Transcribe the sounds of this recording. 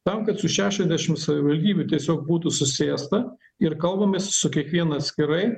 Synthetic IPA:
t̪ɐmkɐt̪sʊʃʲæːʃʲɛzʲd̪ʲæʃʲɪmsɐʋʲɪʋɐlʲd̪ʲiːbʲʊt̪ʲiɛsʲoːk̚buːt̪ʊsʊsʲeːst̪ɐ | ɪɾkɐlˠbɐmʲessʊkʲiɛkʋʲiɛnɐɐt̪sʲkʲɪɾɐɪ

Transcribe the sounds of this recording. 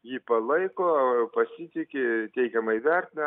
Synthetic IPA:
jiːpɐlˠɐɪkoːpɐsʲɪt̪ʲɪkʲɪt̪ʲɛɪkʲɛmɐɪʋʲɛrʲt̪ʲɪnʲɛ

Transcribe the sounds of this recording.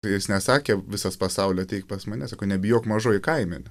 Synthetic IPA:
jɪsnʲɛsɑːkʲeːʋʲɪsɐspɐsɐʊlʲɛt̪ʲɛɪk̚pɐsmɐnʲɛsɑkoʊnʲɛbʲɪjoːkmɐʒoːjɪkɐɪmʲɪnʲɪ

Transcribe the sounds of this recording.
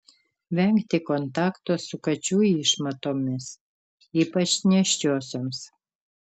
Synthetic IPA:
ʋʲɛŋkt̪ʲɪkont̪ɑːkt̪oːsʊkɐt͡ʃʲuːiʃmɐt̪oːmʲɪs | iːpɐt͡ʃnʲɛʃʲt͡ʃʲoːsʲoːms

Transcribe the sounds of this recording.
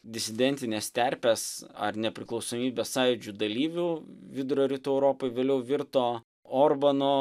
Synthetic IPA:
d̪ʲɪsʲɪd̪ʲɛnʲt̪ʲɪnʲeːst̪ʲɛɾʲpʲesɐ̰rnʲɛpʲɾʲɪklˠɒʊsoːmʲiːbʲeːssɑːjɪd͡ʒʲud̪ɐlʲiːʋʲʊʋʲɪd̪ʊɾoɾʲit̪uɛʊɾoːpoɪʋʲeːlʲɛʊʋʲɪɾt̪oː | oːrbɐnoː

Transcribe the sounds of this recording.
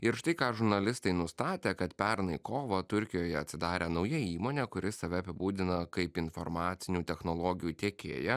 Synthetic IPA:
ɪɾʃt̪ɐɪkɑːʒʊɾnɐlʲɪst̪ɐɪnʊst̪ɑːt̪ʲeːkɐt̪pʲɛɾnɐɪkoːʋɐt̪ʊɾʲkʲɪjoːjɛɐt̪ʲsʲɪd̪ɑːɾʲeːnɐʊjɛiːmoːnʲɛːkʊɾʲɪsɐʋʲɛɐpʲɪbuːd̪ʲɪnɐkɐɪpɪnfɔ̰ɾmɑːt̪sʲɪnʲuːt̪ʲɛxnoːlˠoːɡʲɪjuːt̪ʲeɛkʲḛːjɛ

